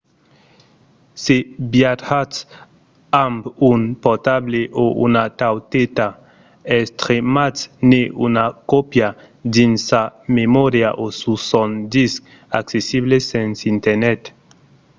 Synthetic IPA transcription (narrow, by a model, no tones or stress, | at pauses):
sebjat̪hat̪s | ambunpot̪ableʔoʔṵnat̪awt̪et̪a | est̪ɾematsneʔṵnakopja | d̪insamemoɾjaʔosusɔnd̪isk | a̰ksesiβlesensint̪eɾnɛt̪